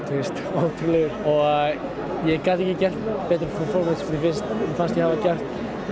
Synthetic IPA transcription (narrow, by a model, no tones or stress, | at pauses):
t̪ʰwɪst̪owt̪ʰɾʏlɛɣʏɾɔɣa | jɛkaːt̪ɛhcːɪcɛr̥t̪pɛːt̪ɾɪfɔfɔɾmɪsmɾɪfɪnst̪fanst̪jɛhavacɛr̥t̪